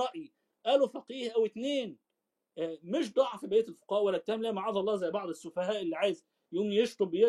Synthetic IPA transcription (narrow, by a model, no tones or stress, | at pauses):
ɑʔji | ʔæːlofæqiːhʔæwɪt̪neːn | æmɪʃ̬d̪ˤɑʕfibeːt̪ælfo̥qɑːʔwælːæt̪ːæːmlæːmaʕɑːd̪ˤɑlːɑːzæjːbɑʕd̪ˤesːʊfæhæːʔelːiːʕajez | jʔuːnjeʃt̪ˤobje